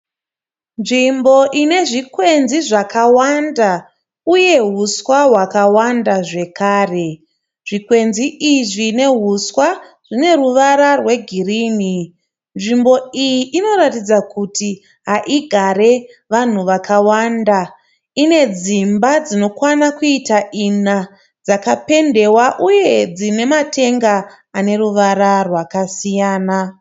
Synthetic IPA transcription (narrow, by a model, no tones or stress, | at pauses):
nʐimbo̞ʔine̞ʐikwe̞nziʐakawanda | uje̞ɦuswaɦwakawandaʐe̞kaːre̞ | ʐ̥ikwe̞nziʔiʐine̞ɦuswa | ʐ̥ine̞ruʋaɾarwe̞ɡʱiriːni | nʐimbo̞ijiʔino̞ratid͡zakuti | ɦaʔiɡʱaɾe̞ | ʋan̤uʋakʰawanda | ine̞d͡zimbad͡zino̞kwanakuitaʔina | d͡zakape̞nde̞waʔuje̞d͡zine̞matʰe̞ŋɡaː | ne̞ruʋaɾarwakasijaːna